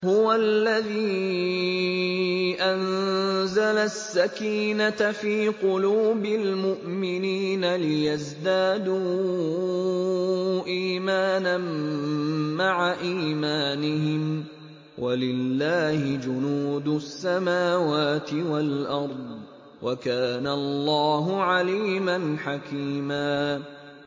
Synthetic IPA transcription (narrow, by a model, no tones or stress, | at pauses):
hʊwalːaðiː | ʔanzalasːakiːnat̪afiːqʊluːbɪlmʊʔmɪniːnalɪjazd̪aːd̪uː | ʔiːmaːnanː | aʕaʔiːmaːnɪɦɪm | wʔalɪlːaːhɪd͡ʒʊnuːd̪ʊsːamaːwaːt̪ɪwalʔɑɾˤd̪ˤ | wʔakaːnalˤːɑːɦʊʕaliːmanħakiːmaː